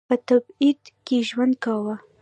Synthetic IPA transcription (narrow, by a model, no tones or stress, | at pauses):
pət̪abid̪keʒwand̪̚kawa